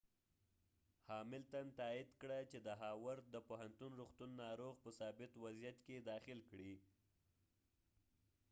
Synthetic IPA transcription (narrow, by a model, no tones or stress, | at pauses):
hɑmɪlt̪ant̪ɑid̪kɽat͡ʃed̪əɦɑwaɾ̚d̪əpoɦant̪unɾuxt̪unːɑɾoɣpəsɑbɪt̪wazijat̪ked̪ɑxɪlkɽi